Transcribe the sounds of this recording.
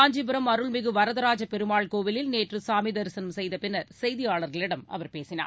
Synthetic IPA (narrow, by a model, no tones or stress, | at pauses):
aːɲd͡ʒibɯɾɐmɐɾɯɭmɪɣɯʋɐɾɐðɐɾaːd͡ʒɐpɛɾɯmaːɭkoːʋɪlɪlneːʈrɯsaːmɪd̪ɐɾɯsɐnmsɛjðɐpɪnːɐɾsɛjðɪjaːɭɐɾɣɐɭɪɽɐmɐ̰ʋɐɾpeːsɪna̰ː